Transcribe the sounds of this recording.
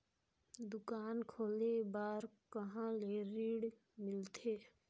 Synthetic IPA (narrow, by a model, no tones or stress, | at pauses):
d̪ʊkaːnkʰoːlebaːɾkəɦãleɾiːɽ | mɪlt̪ʰeː